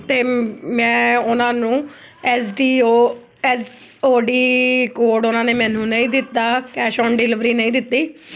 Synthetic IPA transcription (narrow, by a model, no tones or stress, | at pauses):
t̪eːmɛ̃ːʊnãːnũː | ɛːsɖiːoː | ɛsoːɖiːkoːɾɖʊnãːneːmɛ̃ːnũːnəĩːd̪ɪt̪ːaːkɛːʃɔːnɖɪlɪʋɾiːnə̃ĩːd̪ɪt̪ːiː